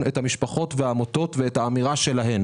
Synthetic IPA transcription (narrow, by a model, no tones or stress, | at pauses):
nethamiʃpaχo̞tveaːmoto̞tveethaːmiʁaʃe̞laɦen